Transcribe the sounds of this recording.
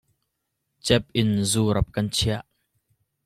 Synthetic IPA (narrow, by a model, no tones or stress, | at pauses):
t͡sɛp̚ʔɪnzuːɾɐp̚kɐnt͡sʰiɐʔ